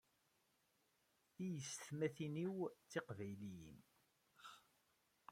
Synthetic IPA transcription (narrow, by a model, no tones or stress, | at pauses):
θijəsθmæθiniwt͡sːeqvæjlijḭm